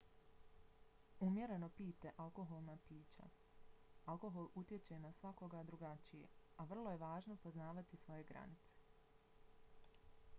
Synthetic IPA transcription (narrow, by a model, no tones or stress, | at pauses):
umje̞ɾe̞no̞piːt̪e̞ʔalˠko̞ɦo̞lˠnaːpiːt͡ɕa̰ | alˠko̞ɦo̞lˠut̪je̞t͡ɕe̞nasʋako̞ɡad̪ɾuɡat͡ʃijḛaʋr̩lˠo̞je̞ʋaːʒno̞po̞znaːʋat̪isʋo̞je̞ɡɾa̰nit̪se̥